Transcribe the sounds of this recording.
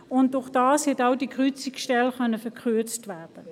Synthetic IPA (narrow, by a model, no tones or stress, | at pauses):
ʊnt̚d̥ʊχd̥aːshɛtaʊdikʰʁʏt͡siksʃtɛlχœnəfɛkʰʁyɐt͡stvɛːɐd̥ə